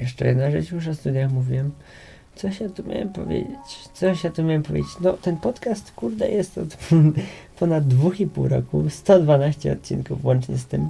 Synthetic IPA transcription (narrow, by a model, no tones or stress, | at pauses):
jɛʂt͡ʂɛjɛ̰d̪naʐɛt͡ʃjuʂ̬ɔst̪ud̪jaxmuvʲiwɛm | t̪sɔɕjat̪umʲja̰wɛ̰mpɔ̰vʲjḛd͡ʑet͡ɕt̪sɔɕjat̪umʲjawɛmpɔvʲjḛd͡ʑet͡ɕnɔt̪ɛnpɔt̪kast̪kuɾd̪ɛ̰jʔɛst̪ɔ̰t̪ | pɔnad̪ːvuxipuwɾɔ̰kust̪ɔd̪vanaɕt͡ɕɛ̰ɔt̪̚t͡ɕḭnkuvwɔnt͡ʂɲɛst̪ɘm